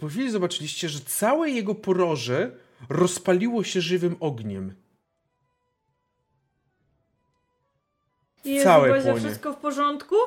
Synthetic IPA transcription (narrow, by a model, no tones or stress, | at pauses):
pɔfʲilʲizɔbat͡ʂɘlʲiɕt͡ɕɛʐɛt̪sawɛjɛɡɔpɔɾɔʐɛ | ɾɔspalʲiwɔɕɛʐɘvɘmɔɡɲɛm | jɛsawɛɛzɔʂʂɨɛst̪̚kɔfpɔʐɔnt̪ku